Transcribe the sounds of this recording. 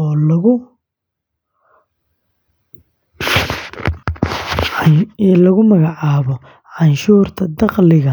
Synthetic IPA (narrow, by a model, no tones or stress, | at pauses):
ɔːlɐɣʊ | ɛlɐɣʊmɐɣɑʕɑːβɔ | ʕɑnʃuːrt̪ʰɐd̪ɑqlɪɣɐ